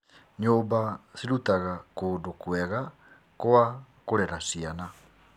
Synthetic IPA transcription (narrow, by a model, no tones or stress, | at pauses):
ɲobasiɾut̪aɣakodokueɣa | koa | koɾɛɾasiana